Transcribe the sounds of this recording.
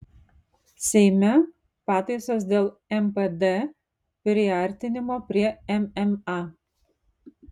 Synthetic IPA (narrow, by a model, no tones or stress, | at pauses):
sʲɛɪmʲɛ | pɑːt̪ɐɪsoːs̬d̪ʲeːlˠ | ɛmped̪e | pʲɾʲɪɐˑɾʲˑt̪ʲɪnʲɪmoːpʲɾʲiɛɛmɛmɑ